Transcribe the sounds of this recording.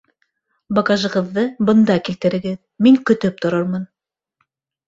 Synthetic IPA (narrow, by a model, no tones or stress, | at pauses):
bɑɡɑʒɤ̆ʁɤ̆ðːɤbɤ̆nd̪ɑkilt̪ɘ̆ɾɘ̆ɡɘð | miŋkɵ̆t̪ɵp̚t̪ŏɾɤɾmɤn